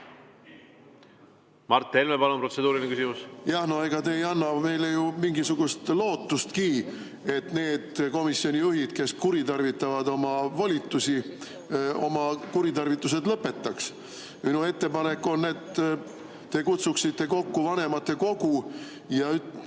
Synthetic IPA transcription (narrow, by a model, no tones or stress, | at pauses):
mɑrt̪ːˑelmepɑlompro̞t̪sed̪uːɾinekysimusjɑhno̞e̞ɡ̥ɑt̪e̞ːjɑnːɑme̞jlejumiŋɡisuɡ̥ust̪lo̞ːt̪ːust̪kiː | e̞t̪ne̞ːd̪̥ko̞misjonʲijuɦid̪̥ke̞skuɾit̪ɑrvit̪ːˑɑvɑd̪o̞mɑvolʲit̪ːˑusi | o̞̰mɑkuɾit̪ɑrvit̪ːˑus̬e̞d̪lɤpːe̞t̪ːɑks | minue̞t̪ːe̞pɑne̞kːˑo̞nːe̞t̪ː | e̞kut̪suksit̪ːe̞ko̞kːuvɑne̞mɑt̪ˑːe̞ko̞ɡu | jɑy